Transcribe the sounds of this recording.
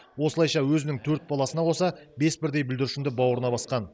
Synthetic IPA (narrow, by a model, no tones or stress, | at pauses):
wo̞səlˠɑjʃɑwɵzɪnɪŋt̪ʰɵɾt̪̚bɑlˠɑsənɑqʰo̞sɑbe̞sbɪɾd̪e̞jbɪʏld̪ɪɾɪʃɪmnd̪ɪbɑwɾənɑbɑsqɑn